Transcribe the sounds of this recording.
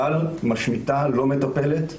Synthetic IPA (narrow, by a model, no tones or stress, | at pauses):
almaʃmit̪alo̞me̞t̪ape̞let̪